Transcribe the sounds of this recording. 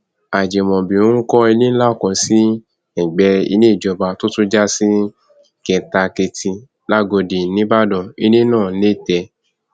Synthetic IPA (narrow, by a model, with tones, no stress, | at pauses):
a˨d͡ʒɛ˨mɔ̃˨bĩ˨ɾũ˦kɔ˦i˧nĩ˦la˦o˦˨kɔ̃˧si˦ | ɛ˨ɡ͡bɛ˧ḭ˧nẽ˦˨d͡ʒɔ˧ba˧to˦tũ˦d͡ʒa˦si˦ | kɛ˨ta˧ke˧ti˧ | la˦˨ɡo˧di˨nĩ˦ba˦dɔ̃˨i˧nĩ˦nãː˦˨˦le˦˨tɛ˧